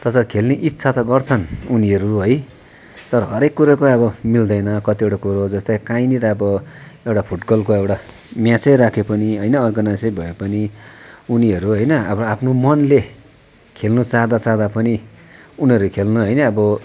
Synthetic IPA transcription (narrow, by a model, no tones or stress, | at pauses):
t̪ʌsʌkʰelneʔit̪ːsʰat̪ʌɡʌrt͡sʰʌnuniʌɾuɦʌj | t̪ʌɾʌɦʌɾekːuɾakoʌbʌmild̪ʌjnʌkʌt̪iewʈakuɾod͡zʌst̪ajkaĩniɾʌʌbʌewʈapʰuʈbʌlkoewʈa | mjãt͡sʌjɾakʰepʌniɦʌjnʌʌrɡʌnajsibʱʌepʌniuniɦʌɾuɦʌjnʌʌbʌapʰnomʌnle | kʰelnut͡saɦd̪at͡saɦd̪apʌni | uniʌɾukʰelnuɦʌjnʌːbʌ